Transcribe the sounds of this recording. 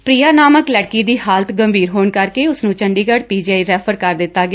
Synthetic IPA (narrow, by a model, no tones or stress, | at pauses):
pɾiːaːnaːməklɛɽkiːd̪iːhaːlət̪ɡəmbʱiːɾɦoːɳkəɾkeːʊsnũːt͡ʃəɳɖiːɡəɽpiːd͡ʒaːiɾɛːpʰəɾkəɾd̪ɪt̪ːaːɡɪ